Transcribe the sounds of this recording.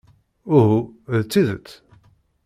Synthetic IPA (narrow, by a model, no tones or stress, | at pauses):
ʊɦuðt͡sːiðə̰t͡s̪ː